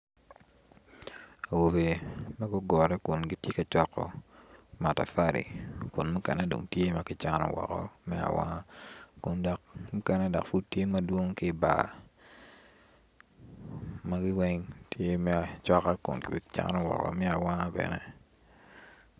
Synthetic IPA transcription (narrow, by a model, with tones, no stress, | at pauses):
a˨wo˨be˨ma˦ɡɔ˦ɡɔ˨ɾɛ˦kʊ˨nɡɪ˦tje˦ka˨t͡ʃwɔ˦kːɔ̰˨ma˨ta̰˨fa˦ɾḭ˨kʊ˨nmu˦kɛ̰˨nɛ˦do̰˨ŋtje˦ma˦kɪ˦t͡ʃa˦nɔ̰˨wɔ̰˨kɔ̰˦mɛ˦a̰˨wa̰˦ŋa˦kʊ˨ndɔ˨k̚mu˦kɛ˦nɛ˦dɔ̰˨kfu˦d̚tje˦ma˦dwo˦ŋkɪ˦˨ba̰˨ | ma˦ɡɪ˦wɛ˦ŋtje˦mɛ˦a˨t͡ʃɔ˦ka˦kʊ̰˨nkɪ˨bt͡ʃa̰˦nɔ˦wɔ̰˨kɔ̰˨mɛ˦a˨wa˦ŋa˦bɛ̰˨nɛ˦